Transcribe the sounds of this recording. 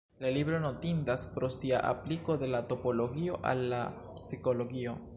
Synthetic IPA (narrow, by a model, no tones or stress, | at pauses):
lalibɾo̞no̞tindaspɾo̞sia̰ʔa̰pliko̞de̞lato̞po̞lo̞ɡio̞ʔa̰lːa̰ | psiko̞lo̞ɡio̞